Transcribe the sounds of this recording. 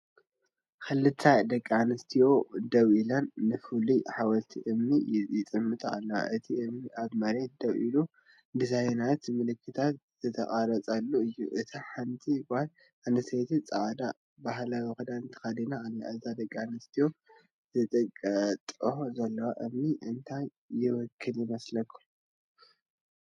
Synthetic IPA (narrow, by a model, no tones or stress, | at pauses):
kɨlːɨt̪ʰːad̪ɐkʼːanɨst̪ʰijo̞d̪ɐβilanːɨfɨliħawɐlt̪ʰiʔɨmnijjɪt͡s̪ʼɨmːɨt̪ʼa̰lːɐwa̰ʔɨt̪ʰiɨmniʔaβmɐɾe̞t̪̚d̪ɐβʔḭlu | d̪ɨsajnat̪mɨlɨkʰːɨt̪ʰat̪̚ | z̥ɨt̪ʰɐχʼaɾɐt͡sʼalːuɨjːṵʔɨt̪ʰaħant̪ʰibahl | ʔanɐsejt̪ʰit͡sʼaʕd̪a | baɦlawɨxud̪aɨnt̪ʰɨ̥xad̪inaaniazad̪ɐkʼːanɨst̪ʰijo̞ | zɨt̪ʼɐkʼːɐt̪ʼɨzɐlːɐwaʔɨmniʔɨnt̪ʰajː | ɪwɔkʰːɨljɪmɐslɐkʰːu̥